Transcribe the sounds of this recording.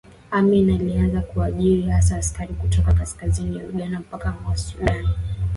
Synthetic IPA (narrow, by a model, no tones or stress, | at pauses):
aminalianzakuaʄiɾihasaːskaɾikutɔkakaskaziniauɡanam̩pakamasuɗan